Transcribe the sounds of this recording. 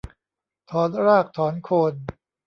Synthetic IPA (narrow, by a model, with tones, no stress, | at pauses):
t̪ʰɔː˩˦nɾaː˥˩k̚t̪ʰɔː˩˦nkʰoː˧n